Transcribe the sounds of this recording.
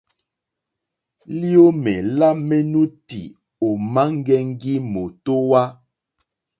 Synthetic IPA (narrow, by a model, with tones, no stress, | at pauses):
li˦o˦mɛ˨la˦me˦nu˦ti˨ | o˨ma˦ŋ˦ɡɛ˦ŋ̩˦ɡi˦mo˨to˦wa˦